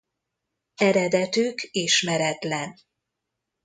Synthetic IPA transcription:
ɛɾɛd̪ɛt̪ykiʃmɛɾɛt̪lɛn

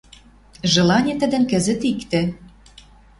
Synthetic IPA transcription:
ʒɤ̆lɑnʲet̪ə̆d̪ə̆nkə̆zə̆t̪ikt̪ĕ

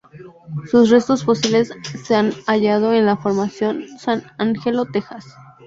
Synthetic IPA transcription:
susre̞st̪o̞sfo̞siβle̞sːe̞anaʝað̞o̞e̞nlafo̞ɾmasjo̞nsanaŋxelot̪e̞xas

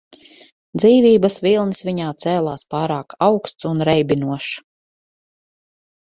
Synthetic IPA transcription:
d̪ziːvʲiːbɐsvilˠnsviɲaːt̪sɛːlˠaːspɑːɾaːkawkst̪sunɾɛjbʲinuɔʃ

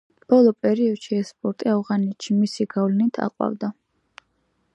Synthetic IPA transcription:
b̥ɔlˠɔpʼɛɾiɔd̪̥ʃiɛspʼɔɾt̪ʼiavʁanɛt̪ʃimisiɡavlɛnit̪ʰa̰qʼwa̰vd̪a

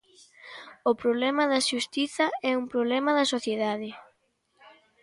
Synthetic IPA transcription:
ʊpɾoβlɛmɐðɐʃust̪iθɐɛumpɾoβlɛmɐðɐsoθjeðaðɪ

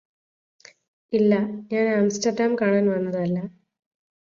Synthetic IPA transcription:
ilːɐɲaːnaːmsʈɐrɖaːmkaːɳaːnʋɐnːɐðɐlːɐ

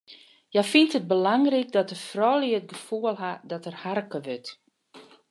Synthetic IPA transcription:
jɛfintət̚bəlaŋrik̚dɔt̚dəfrɔːliət̚ɡəfuəlˠɦadɔtərharkəʋøt

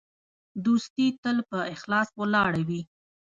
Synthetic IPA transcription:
d̪ust̪it̪əlpəɪxlɑswəlɑɽawi

